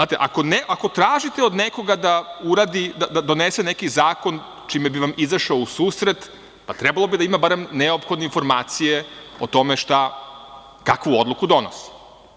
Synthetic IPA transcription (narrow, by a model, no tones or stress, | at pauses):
aːt̪eʔa̰ko̞neʔako̞t̪ɾaːʒit̪e̞od̪neko̞ɡad̪auɾad̪id̪ad̪ad̪o̞nesenekizaːko̞n | t͡ʃimebiʋamizaʃaousuːsɾe̞t̪ | pat̪ɾɛbalˠo̞bid̪aimabaɾemneopxo̞d̪neinfo̞ɾmaːt̪sijeot̪o̞meʃt̪a | kakʋuod̪lˠukud̪o̞no̰si̥